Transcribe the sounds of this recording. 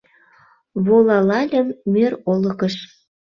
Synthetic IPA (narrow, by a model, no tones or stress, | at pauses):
βolɑlɑlʲəmːørolə̆kəʃ